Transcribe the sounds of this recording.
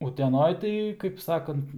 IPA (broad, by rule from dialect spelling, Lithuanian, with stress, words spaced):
ʊtʲɛˈnoːj tɐɪ kɐɪp ˈsɑːkɐnt